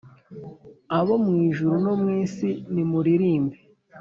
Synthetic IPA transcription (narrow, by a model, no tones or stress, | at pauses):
aβo̞mŋiːʒuɾunomŋiːsinimuɾiɾiːmbe